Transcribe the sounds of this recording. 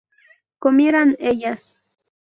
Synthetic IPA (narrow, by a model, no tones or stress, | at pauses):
komiɾanejas